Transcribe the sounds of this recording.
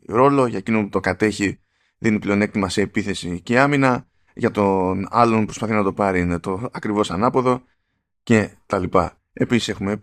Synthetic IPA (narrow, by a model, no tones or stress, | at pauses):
ɾo̞lo̞ʝɐecino̞put̪okɐt̪e̞çi | ðinipleo̞ne̞k̚t̪imɐseːpiθe̞siceɐminɐ | ʝɐt̪o̞nɐlo̞npɾo̞spɐθinɐt̪o̞pɐɾinet̪o̞ɐkɾivo̞sɐnɐpo̞ðo̞ | ce̞t̪ɐlipɐ̰ | e̞pisi̥se̞xume̞